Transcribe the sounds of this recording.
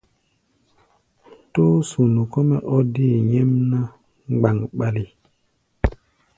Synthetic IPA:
to˦su˨nu˨kɔ˦mɛ˨ʔɔ˦di˦˨ɲɛ˦mna˦ | ŋ͡mɡ͡ba˨ŋɓa˦li˨

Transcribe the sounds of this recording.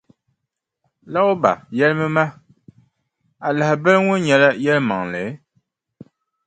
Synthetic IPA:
la˦ʊ˦ba̰˨jɛ˦lɨ˦mɨ˦ma˦ | a˨la˨hɪ˨bɛ˦lŋʊ˦nɲɛ˨la˦jɛ˦lɨ˦ma˨ŋlɨ˨˦

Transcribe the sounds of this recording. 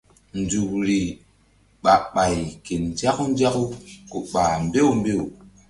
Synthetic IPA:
n˨d͡ʒu˨kɾi˨ | ɓa˨ɓa˨jke˨nd͡ʒa˦ku˦n˦d͡ʒa˦ku˦ku˨ɓa˨mbe˦u˨m˦be˦o˨

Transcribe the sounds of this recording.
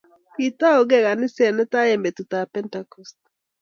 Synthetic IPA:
ki˨ta˦o˨ɡɛ˦˨ɣa˨nɪ˦sɛ˨nɛ˦ta˦ɛ˨mbɛ˨tu˨ta˨pɛ˦ntakɔ˨st̚

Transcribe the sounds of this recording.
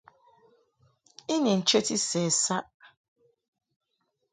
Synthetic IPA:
i˦ɲi˨n̩˨t͡ʃe˦ti˦sɛː˨sa˦ʔ

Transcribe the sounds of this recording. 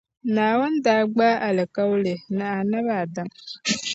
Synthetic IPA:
naː˨we˦n˦daː˦ɡ͡baː˦ʔa˨lɪ˨ka˦wlɪ˨nɨ˨a˨na˦βa˨da˦ŋ

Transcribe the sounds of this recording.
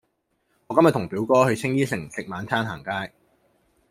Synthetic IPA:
ŋɔː˨˧kɐ˥mjɐ˨t̪ʰʊ˨˩ŋpiː˨˥wkɔː˥hɵ˧ɥt͡sʰɪ˥ŋjiː˥sɪ˨˩ŋsɪ˨k̚maː˨˧nt̪ʰaː˥nɦaː˨˩ŋkaː˥j

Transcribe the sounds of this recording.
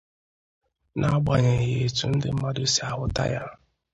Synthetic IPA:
nʔa˦ɡ͡ba˨ɲe˨je˨tu˨n̩˦dɪ˦m̩˦ma˦do˦si˨a˨ɦʊ˦ta̰˦ja˦

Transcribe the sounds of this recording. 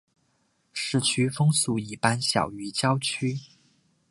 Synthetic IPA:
ʂɻ̩˥˩t͡ɕʰy˥fɤ˥ŋsu˥˩i˥˩pa˥nɕjɑ̰˨˩ʊy˧˥t͡ɕjɑ˥ʊt͡ɕʰy˥

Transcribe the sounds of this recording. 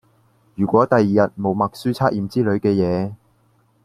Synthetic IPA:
jyː˨˩kʷɔː˨˥t̪ɐ˨jiː˨jɐ˨t̚mo˨˧wmɐ˨k̚syː˥t͡sʰaː˥k̚ʔiː˨˧mt͡siː˥lɵ˨˧ɥkɛː˧jɛː˨˧

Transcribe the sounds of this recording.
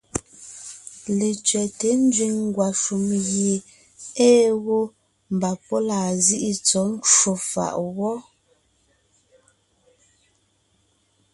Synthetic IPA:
le˨t͡ʃɥɛ˨te˨˦n˦d͡ʒɥi˨ŋŋ˦ɡwa˨ʃu˨mɣje˨ | eː˦ɣo˦ | m̩˨ba˨pɔ˦laː˨zi˦ʔi˦t͡sɔ˨˦n̩˦t͡ʃwo˨fa̰˨ʔwɔ˦

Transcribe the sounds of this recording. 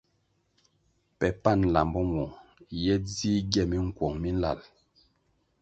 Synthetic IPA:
pɛ˨pa˦˨n˨la˨mbɔ˦mɔ˨jɛ˦d͡zi˦ɡjɛ˦˨mi˦ŋ̩˨kwɔ˨ŋmi˦n̩˦la̰˨l

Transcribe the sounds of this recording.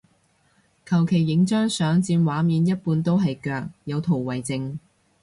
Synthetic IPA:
kʰɐ˨˩wkʰe˨˩jːɪ˨˥ŋt͡ʃœː˥ŋsœː˨˥ŋt͡siː˧nwaː˨˥miː˨˧njɐ˥t̚puː˧nt̪o˥wɦɐ˨jkœː˧k̚jɐ˨˧wt̪ʰo˨˩wwɐ˨˩jt͡sɪ˧ŋ

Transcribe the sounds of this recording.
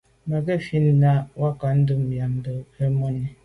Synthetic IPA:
ma˨ɡe˦˨fi˦n̩˦na˦wa˦ka˨n̩˦du˦m̩˨ja˨m̩˨do˨e˦mo˦ni˦

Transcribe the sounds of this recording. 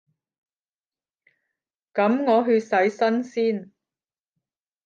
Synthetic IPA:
kɐ˨˥mŋɔː˨˧ɦyː˧sɐ˨˥jsɐ˥nsiː˥n

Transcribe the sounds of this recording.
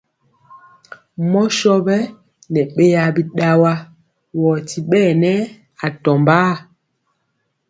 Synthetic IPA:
mɔ˦ʃɔ˦bɛ˦ | nɛ˨ɓe˦ja˨bi˦ɗa˦wa˦ | wɔ˨ti˦ɓɛː˦˨nɛ˦ | a˨tɔ˨mba˦

